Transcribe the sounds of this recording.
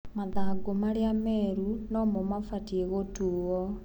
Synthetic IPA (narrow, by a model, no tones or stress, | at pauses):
maðaɡomaɾeamɛɾunɔmomafatieɣotuːwɔ